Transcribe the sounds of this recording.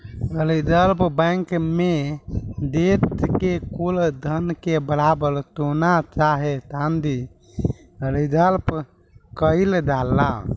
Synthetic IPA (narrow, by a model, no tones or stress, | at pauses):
əlid̪əlpbə̃ŋkme | d̪et̪kekuld̪ʱənkebəɾabəɾt̪onat͡ʃaɦet̪ãnd̪i | əɾid̪əlp | kəild̪alːa̰